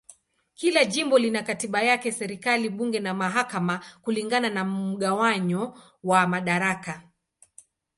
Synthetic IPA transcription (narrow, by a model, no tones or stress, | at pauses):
kilaʄimbɔlinakatiɓajakɛsɛɾikaliɓuŋɡɛnamaɦakamakuliŋɡananam̩ɠawaɲɔ | wamaɗaɾaka